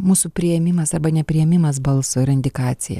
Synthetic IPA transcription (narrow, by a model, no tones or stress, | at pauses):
muːsupʲɾʲɪjɛmʲɪmɐsɐrbɐnʲɛpʲɾʲɪjɛmʲɪmɐs̬bɐlˠsʊɪɾɐnʲd̪ʲɪkɑːt̪sʲɪjɛ̰